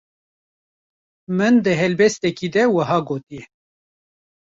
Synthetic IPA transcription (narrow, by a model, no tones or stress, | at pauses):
mɨnd̪əɦɛlbɛst̪ɛkiːd̪ɛwɐɦɑːɡoːt̪iɛ